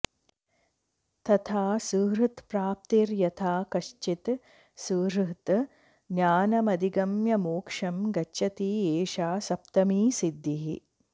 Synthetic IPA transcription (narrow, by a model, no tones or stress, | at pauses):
t̪ɐt̪ʰaːsuːɾɨt̪pɾaːp̚t̪iɾjɐt̪ʰaːkɐʃt͡ʃit̪ | suːɾt̪ | njaːnɐmɐd̪iɡɐmjɐmoːkʂɐmɡɐt͡ʃʃɐt̪iːeːʃaːsɐpt̪ɐmiːsid̪ːiɦi